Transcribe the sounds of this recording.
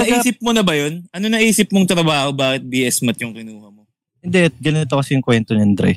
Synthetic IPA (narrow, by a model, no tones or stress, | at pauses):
nɐʔːsɪp̚monɐbɐjonʔɐnonɐʔiːsɪp̚moŋt̪ɾɐbaːho̞baːkɪt̪̚biːʔɛsmɐt̪jʊŋkɪnuːhɐmo̞ | hɪnd̪ɛʔ̚ɡɐnt̪okɐsɛjʊŋkwɛnt̪oɲɐnd̪ɾɛ̰